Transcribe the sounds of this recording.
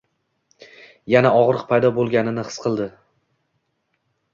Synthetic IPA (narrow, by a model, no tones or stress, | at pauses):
janaɒʁɾɨq̚pʰajd̪ɒbolˠɡʲanɪnɪχɨ̥sqʰɨlˠd̪ɪ